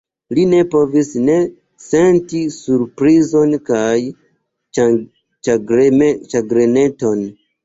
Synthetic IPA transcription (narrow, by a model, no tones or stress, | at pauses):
line̞po̞visne̞ | se̞ntisuɾpɾizo̞nkaj | t͡ʃaɡɾmt͡ʃaɡɾene̞to̞n